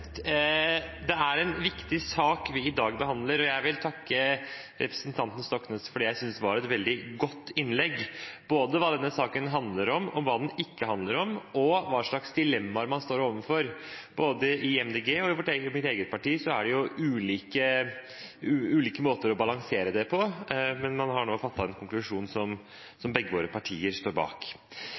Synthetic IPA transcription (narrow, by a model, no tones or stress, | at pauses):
d̪ɛæɾɛnʋɪkt̪ɪsɑːkʋɪɪd̪ɑːɡbəɦɑnd̪ləɾɔjæɪʋɪlt̪ʰɑkːə | ɾɛ̰pɾə̥snt̪ʰɑnt̪n̩st̪ɔknɑsfɔɖiːjæɪsʏnsd̪ɛʋɑɾɛt̪ʋɛld̪ɪɡɔt̪ːɪnːlɛɡːb̥oːd̪əʋɑːd̪ɛnːəsɑːkənɦɑnd̪ləɾɔmɔʋɑːd̪ɛnɪkːəhɑnd̪ləɾɔmɔʋɑːʂɭɑksd̪ɪlɛmːɑɾmɑnst̪oːɾoːʋənfɔɾb̥oːd̪əɪɛmd̪eːɡeːɔɪʋɔʈːmɪt̪eːɡət̪̚pʰɑʈiːsɔæɖɛjʊʉːliːkə | ʉːliːkəmoːt̪əɾɔbɑlɑŋseːɾəd̪ɛpʰɔmɛnmɑnɦɑɳoːfɑt̪ːɑt̪ɛnkʰʊŋklʉʂuːnsɔm | sɔmbɛɡːəʋoːɾəpʰɑʈʰiːəɾst̪oːɾbɑ̰ːk